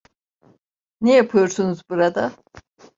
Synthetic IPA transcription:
nejapʰɯjoɾsunuzbuɾad̪a

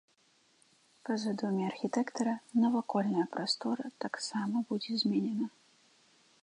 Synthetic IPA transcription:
pɐzɨd̪umʲiɐrxʲit̪ɛkt̪ɐɾɐnɐvakɔlʲnɐjɐpɾast̪ɔɾɐt̪aksamɐbud͡zʲɛzʲmʲɛnʲɛnɐ

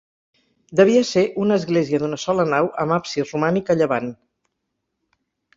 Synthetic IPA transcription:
d̪əβ̞iəseʔunəːzɣleziəðunəsɔlənawʔəmapsirumanikəʎəβan

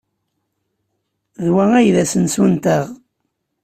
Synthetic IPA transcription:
ðwæŋæjðæsənsunt̪æʁ

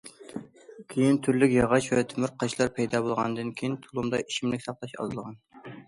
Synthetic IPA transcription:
kʲʰejint̪ʰyɾlɪkʲjɑʁɑʃvɛt̪ʰymyɾqʰɑʃlˠɑɾpʰɛjd̪ɑbolˠʁɑnd̪ɨnkʲʰejint̪ʰulˠumd̪ɑiʃimlɪkʲsɑχlˠɑʃɑ̰zɨlˠʁɑn

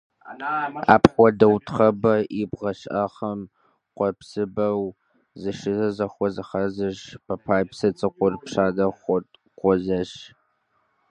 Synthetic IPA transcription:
a̰ːpχʷɔdɐwtʰχɐbɐʔibʁɐɕʔɐχɐm | qʷɔpsɨbɐw | zɨʂɨzɐzɐxʷɔzɨχɐzɨʒpʰɐpʰaːjpsɐt͡sʼɨqʷʊrpʂaːdɐχʷɔtʼ | qʷɔzɐʃ

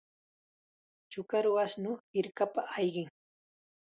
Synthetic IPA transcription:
t͡ʃʊkaɾwasnʊhɪɾkapaʔːjɢɪŋ

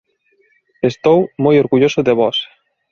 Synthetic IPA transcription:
est̪owmojoɾɣuʎosoðeβɔs

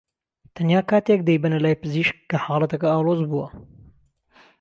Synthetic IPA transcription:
t̪ʰɐnjaːkaːt̪ek̚d̪ɛjbɐnɐlaːjpɨziːʃkːɐħɑːlˠɐt̪ɐkɐaːwlozbuwɐ

